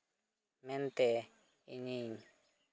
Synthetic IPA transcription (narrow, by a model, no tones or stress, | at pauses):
mɛnt̪ɛ | ḭɲiɲ